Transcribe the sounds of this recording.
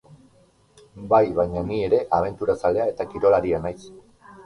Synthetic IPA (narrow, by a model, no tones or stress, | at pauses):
bajβajɲanie̞ɾe̞ʔaβ̞e̞nt̪uɾasale̞ae̞t̪akiɾo̞laɾienajs